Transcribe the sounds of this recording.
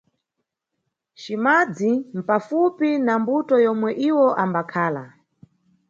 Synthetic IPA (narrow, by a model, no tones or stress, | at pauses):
ʃimad͡zim̩pafupinambutɔjɔmwɛʔiwɔʔambakʰaːla